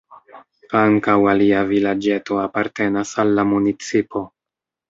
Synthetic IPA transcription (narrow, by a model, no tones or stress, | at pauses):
kaŋkawaliavilad͡ʒe̞to̞apaɾte̞nasalːamunit͡sipo̞